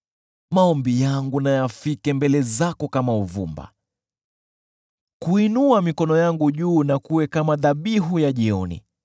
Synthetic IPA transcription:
maɔmbijaŋɡunajafikɛmbɛlɛzakɔkamauvṵmba̰ | kuinuamikɔnɔjaŋɡuʄuːnakuwɛkamaðaɓiɦujaʄiɔnḭ

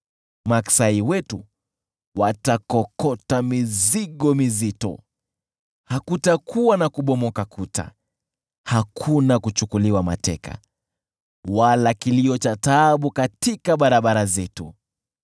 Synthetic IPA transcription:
maksaiwɛtu | watakɔkɔtamiziɠɔmizitɔ̰ | hakutakʰuwanakuɓɔmɔkakuta̰ | hakʰunakut͡ʃukuliwama̰tɛka̰ | walakiliɔt͡ʃataɓukatikaɓaɾaɓaɾazɛtu

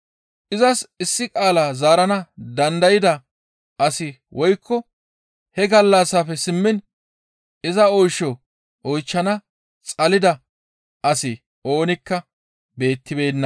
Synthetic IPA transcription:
ʔɪzɐsɪsːɪkʼaːlaːzaːɾɐnɐd̪ɐnd̪ɐjɪd̪ɐ | ʔɐsɪ | wʔɔjkːɔ | hɛɡɐlːɐsːaːfɛsɪmːɪn | ɪzɐɔjʃɔ | ʔɔjt͡ʃːɐnɐ | t͡sʼɐlɪd̪ɐ | ʔɐsɪ | ʔo̞ːnɪkːɐ | be̞ːt̪ːɪbe̞ːnːɐ

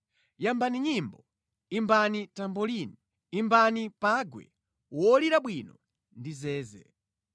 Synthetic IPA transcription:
jambaniɲimbɔ | imbanitambɔlini | imbanipaɡwɛ̰ | wɔliɾaɓwinɔ | ndizɛːzɛ̰

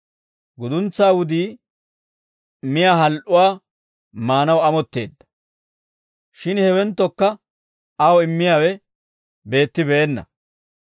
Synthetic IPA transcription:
ɡʊd̪ʊnt͡sːaːwʊd̪iː | mɪjaːɦɐlʔʊwaː | maːnɐwɐmɔt̪ːe̞̰ːd̪ːɐ̥ | ʃɪnhɛwɛnt̪ːɔkːɐ | ɐwɔɪmːɪjaːwɛ | be̞ːt̪ːɪbɛːnːɐ̰

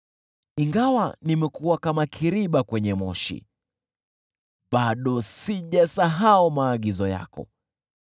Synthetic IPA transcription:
iŋɡawanimɛkuwakamakʰiɾiɓakwɛɲɛmɔ̰ʃḭ | ɓaɗɔsiʄasaɦaumaːɠizɔja̰kɔ̰

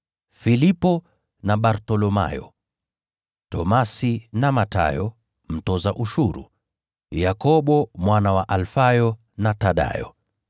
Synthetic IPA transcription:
filipɔ | naɓaɾtɔlɔma̰jɔ̰ | tɔmasinamata̰jɔ | m̩tɔzaʔuʃuɾṵ | jakɔɓɔmwanawaʔalfajɔ | nataɗa̰jɔ̰

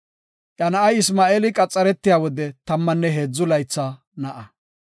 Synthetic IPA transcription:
ʔɐnɐʔɐjɪsmaːʔeːlɪkʼɐt͡sʼːɐɾɛt̪ːɪjaːwɔd̪ɛt̪ɐmːɐnːɛɦeːd͡zːʊlɐjt͡sːa | nɐʔɐ

